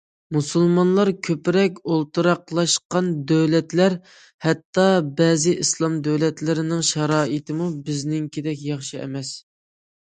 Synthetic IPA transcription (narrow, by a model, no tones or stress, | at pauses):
musulˠmɑnlˠɑɾkʲʰøpɾɛkʲolˠt̪ɨɾɑqlˠɑʃqɑnd̪øwlɛt̪læɾ | hɛt̪ːɑbɛːzɪʔislˠɑmd̪øwlɛt̪lɪɾɪnɪŋʃɑɾɑːit̪ʰɪmubɪznɪŋkʲʰed̪ɛkʲjɑχʃɨɛ̰mɛs